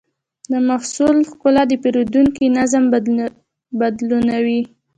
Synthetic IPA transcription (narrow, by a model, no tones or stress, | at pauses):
d̪əmaxsulxkʊlɑd̪əpeɾod̪uŋkinazam | bad̪lunawi